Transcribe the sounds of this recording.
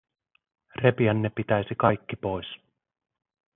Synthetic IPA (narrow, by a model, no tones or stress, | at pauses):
re̞piænːepːit̪æjsikɑjkːipo̞js